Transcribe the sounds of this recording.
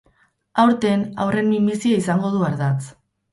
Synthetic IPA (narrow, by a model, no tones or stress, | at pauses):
awɾt̪e̞na̰wre̞nimbisiaisaŋɡo̞ð̞uaɾðat͡s